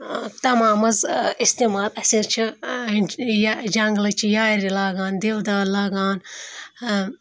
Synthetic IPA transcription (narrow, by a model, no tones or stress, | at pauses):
t̪ɐmaːmɐzist̪iːmaːlɐsiɾt͡ʃʰi | jd͡ʒɐŋɡlɐt͡ʃʰijaːɾilaːɡaːnd̪ewd̪aːlaːɡaːn